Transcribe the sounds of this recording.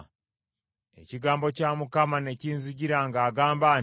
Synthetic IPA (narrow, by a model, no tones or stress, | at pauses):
e̞̰ciɡaːmbo̞camukamane̞ciːnziɟiɾaŋɡaːɡaːmbaː